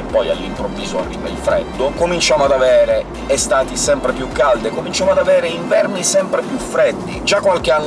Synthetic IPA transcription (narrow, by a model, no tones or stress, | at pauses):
epːɔja̰lːimpɾovːiːzoa̰rːimeḭlfɾɛ̰d̪ːʊkomint͡ʃaːmoad̪avɛːɾe | ɛst̪aːt̪isɛmpɾepjukːald̪ekomint͡ʃamoad̪avɛːɾeiɱvɛrnisɛmpɾepjufɾɛd̪ːḭd͡ʒakːwalk̟eanː